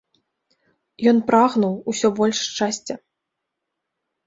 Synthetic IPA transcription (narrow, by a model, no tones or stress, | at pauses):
jɔnpɾaɣnuwusʲɔbɔlʲʂt͡ʂasʲt͡sʲɐ